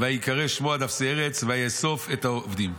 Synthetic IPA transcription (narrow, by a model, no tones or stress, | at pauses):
veajikaʁeʃmoad̪afseeʁet͡sveajeso̞fetaovd̪im